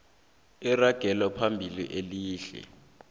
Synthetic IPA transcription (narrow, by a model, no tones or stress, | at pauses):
iraɡ̥ʱɛlapʰambʱilḭʔeliːɬɛ̰